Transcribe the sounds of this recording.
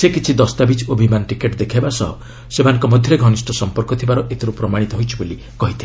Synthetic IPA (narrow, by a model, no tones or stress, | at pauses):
sekit͡ʃʰid̪ɔst̪abit͡ʃobʱimanʈikeʈd̪ekʰabasɔɦɔ | semanɔ̃ŋkɔmɔd̪ʱjɔɾeɡʱɔnisʈɔsɔmpɔɾkɔt̪ʰibaɾɔʔet̪ʰiɾupɾɔmaɽ̃it̪ɔɦojt͡ʃʰiboli | kɔɦit̪ʰi